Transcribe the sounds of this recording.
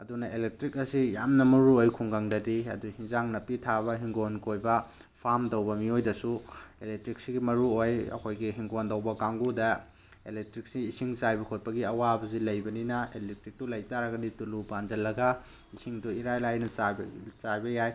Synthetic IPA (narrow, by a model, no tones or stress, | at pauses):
ɐdunɐelek̚tɾik̚ɐsijamnɐmɐɾuojkʰuŋɡaŋdɐdiɐ̰duhiŋzaŋnɐpːitʰaβɐɦiŋɡonkojbɐ | pʰamtɐwbɐmiojdɐsuelek̚tɾik̚siɡimɐɾuojɐ̰kʰojɡiɦiŋɡondɐwbɐkaŋɡudɐ | ḛlek̚tɾik̚siːsiŋt͡ʃajbɐkʰot̚pɐɡiɐwabɐzilɐjbɐninɐelek̚tɾik̚tulɐjtaɾɐɡɐditulupand͡ʒɐlːɐɡɐ | isiŋduiɾajlajnɐsabt͡ʃajbɐjaj